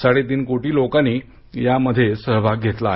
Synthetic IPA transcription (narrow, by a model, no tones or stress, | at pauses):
saɽet̪iːnkoʈiːlokãnːiː | jaməd̪ʱːjesəɾʋaɡʱet̪la